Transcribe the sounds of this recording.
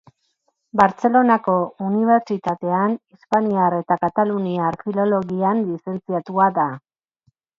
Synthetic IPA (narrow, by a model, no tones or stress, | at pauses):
baɾt͡se̞lo̞nako̞uniβ̞e̞ɾt͡ʃit̪at̪e̞anispaniaɾe̞t̪akat̪aluniaɾfilo̞lo̞ɣianlise̞nt͡siat̪uaða